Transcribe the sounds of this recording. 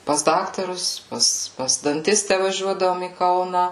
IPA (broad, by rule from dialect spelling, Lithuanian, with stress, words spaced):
pɐs ˈdɑːktɐrʊs ˈpɐs pɐs dɐnʲˈtʲɪsʲtʲæː ʋɐˈʒʲuɔdɐʋoːm iː ˈkɐʊnɐ